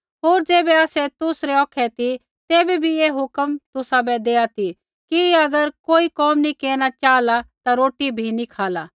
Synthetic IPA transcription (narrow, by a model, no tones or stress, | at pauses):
ɦoːɾd͡ʒeːbɛaːsɛt̪ʊsɾɛɔːkʰɛt̪i | t̪eːbɛbʱieːɦʊkəmt̪ʊsabɛd̪eːat̪i | kiɐɡəɾkoːikɔːmnikeːñat͡ʃaːlat̪aɾoːʈibʱinikʰaːlaː